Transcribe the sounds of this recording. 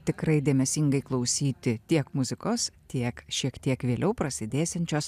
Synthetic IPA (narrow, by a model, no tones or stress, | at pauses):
t̪ʲɪkɾɐɪd̪ʲeːmʲɛsʲɪŋɡɐɪklˠɐʊsʲiːt̪ʲɪt̪ʲiɛkmʊzʲɪkoːst̪ʲiɛkʃʲiɛkt̪ʲiɛkʋʲeːlʲʔɛʊpɾɐsʲɪd̪ʲeːsʲɛnʲt͡ʃʲoːs